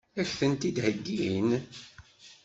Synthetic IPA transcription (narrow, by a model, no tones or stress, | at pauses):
æçθənt̪id̪həɡːin